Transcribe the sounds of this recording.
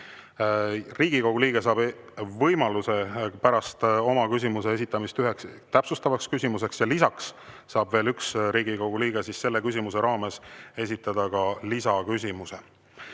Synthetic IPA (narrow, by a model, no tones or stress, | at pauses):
riːɡiko̞ɡ̥uliːɡ̥e̞sɑːb̥vɤjmɑluse̞pæɾɑst̪o̞mɑkys̬ʲimuse̞es̬it̪ːˑɑmist̪yɦekst̪æpsust̪ɑvɑkskysimuse̞ksjɑlisɑksː | ɑːbve̞ːlyksɾiːɡiko̞ɡ̥uliːɡ̥e̞sisːe̞lːe̞kysʲimuse̞ɾɑːme̞se̞s̬ʲit̪ːˑɑd̪̥ɑkɑlisɑkys̬ʲimuse̞